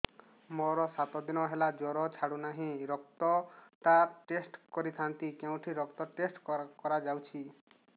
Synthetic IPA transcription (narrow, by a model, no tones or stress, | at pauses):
mɔɾɔsat̪ɔd̪inɔɦelad͡ʒɔɾɔt͡ʃʰaɽunaɦĩɾɔk̚t̪ɔʈaʈesʈkɔɾit̪ʰant̪ikeũʈʰiɾɔkt̪ɔʈesʈkɔɾad͡ʒawt͡ʃʰi